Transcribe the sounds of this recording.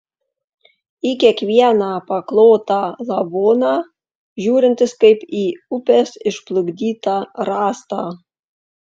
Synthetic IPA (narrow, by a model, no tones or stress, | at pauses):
ikʲiɛkʋʲiɛnɑːpɐklˠoːt̪ɑlˠɐboːnɑː | ʒʲuːɾʲɪnʲt̪ʲɪskɐɪpiːʊpʲeːsɪʃplˠʊɡd̪ʲiːt̪ɑːɾɑːst̪ɑː